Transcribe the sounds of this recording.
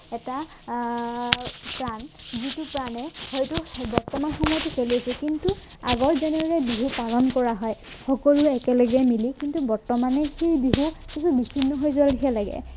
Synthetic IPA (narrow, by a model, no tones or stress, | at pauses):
ɛta | pɹanzitupɹanɛhɔjtubɔɹtɔmanxɔmɔjtukeliasɛkintu | aɡɔɹzɛnɛdɹɛbiɦupalɔnkɔɹaɦɔjxɔkolʊɛkɛlɔɡɛmilikintubɔɹtɔmanɛxejbiɦukisʰubisʰinːɔɦojzɔalikʰalaɡɛ̰